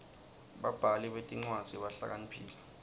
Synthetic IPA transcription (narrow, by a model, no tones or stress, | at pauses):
ɓab̥ʱaliɓetʼiŋ͡ǀwad̥z̥ʱiɓaɬa̰k̬anipʰḭːlɛ